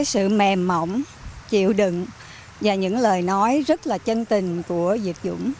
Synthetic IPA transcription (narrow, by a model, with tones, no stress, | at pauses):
jsɨ̰˧˨mɛ˨˩mːə˧˨wŋ͡m | t͡ɕḭ˧˨əwɗɨ̰˧˨ŋ | vaː˨˩ɲɨ̰˧˥ŋləː˨˩jnɔ˨˦jzə˦˥t̚laː˨˩t͡ɕə˧nt̪ï˨˩ŋ̟ku˧˩əzḭ˨˩ək̚zʊ̰˧˥ŋ͡m